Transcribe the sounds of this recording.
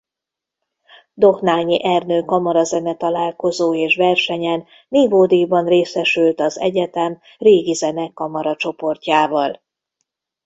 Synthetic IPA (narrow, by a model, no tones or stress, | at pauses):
d̪o̞xnaːlɲiʔɛrnøːkɒmɒɾɒzɛnɛt̪ɒlaːlko̞zoːeːʃʋɛrʃɛɲɛnːiːvoːd̪ibɒnreːsɛʃylt̪ɒzɛ̰ɟɛt̪ɛm | reːɡizɛnɛkːɒmɒɾɒt͡ʃo̞po̞rcaːvɒl